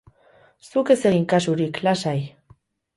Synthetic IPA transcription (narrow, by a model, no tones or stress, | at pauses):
suke̞seiŋkasuɾiklasaj